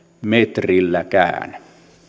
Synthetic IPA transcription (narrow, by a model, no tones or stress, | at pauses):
met̪rilːækæ̰ːn